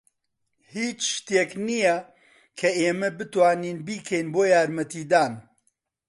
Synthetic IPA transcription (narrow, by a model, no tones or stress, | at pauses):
hiːt͡ʃʃt̪eːknijɐ | kʰɐeːmɐbɨt̪waːniːnbiːkʰɐjnboːjaːɾmɐt̪iːd̪aːn